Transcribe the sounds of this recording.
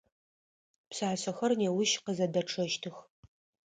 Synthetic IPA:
psaːɕɐxɐrneːwʊʃqəzɐdɐʈ͡ʂʰɐʃtʰɨx

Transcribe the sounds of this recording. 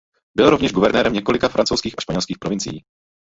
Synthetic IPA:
bɪlɾovɲɛʒɡuvɛɾnɛːɾɛmɲɛkolɪkafɾant͡sowskiːxaʃpaɲɛlskiːxpɾovɪnt͡sɪ̰jḭː

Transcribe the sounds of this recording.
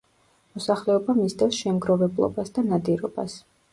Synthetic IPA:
mɔsaχlɛɔbamisd̪ɛsʃɛmɡɾɔvɛblˠɔ̰basd̪anad̪iɾɔ̰b̥a̰s

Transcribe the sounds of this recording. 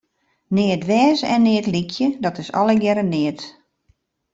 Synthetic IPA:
nɪətʋɛːsɛ̰nːɪətlikʰjədɔtɪsɔ̰lˠəɡjɛɾənɪət

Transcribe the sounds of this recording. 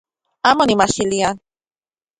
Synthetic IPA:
amonimaʃilian

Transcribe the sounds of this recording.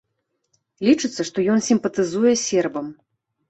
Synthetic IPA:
lʲit͡ʂɨt̪sːɐʂt̪ɔjɔnsʲimpɐt̪ɨzujɛsʲɛrbɐm

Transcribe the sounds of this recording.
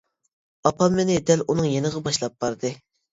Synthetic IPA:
ɑpɑmenɪd̪ɛlʔunɨŋjenɨʁɑbɑʃlˠɑp̚bɑɾd̪ɨ

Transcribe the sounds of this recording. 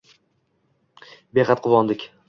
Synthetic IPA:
beχɑt̪̚qʰʊwɒnd̪ɪkʲ

